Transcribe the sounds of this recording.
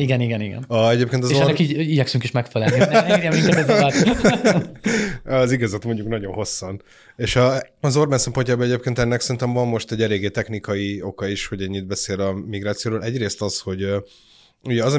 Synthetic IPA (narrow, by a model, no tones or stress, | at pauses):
iɡɛniɡɛniɡɛ̰nɒɛɟeːp̚keːnt̪ɒzʃɛnɛkiːɟiɟɛksyŋkeːʃmɛkfɛlɛlniɛmiŋɛɛ | ɒziɡɒzɒt̪mo̞ɲɟuknɒɟo̞nɦo̞sːɒn | eːʃɒːzo̞rbɛnsɛmpo̞ɲcaːbɒɛɟeːp̚keːnt̪ɛnːɛksɛɾint̪ɛmvɒmːo̞ʃt̪ɛɟːɛleːɡeːt̪ɛxnikɒio̞kɒiʃho̞ɟɛɲːid̪̚bɛseːlɒmiɡɾaːt̪sijoːɾoːlʔɛɟreːst̪ɒsho̞ɟ | uɟɛɒzɒ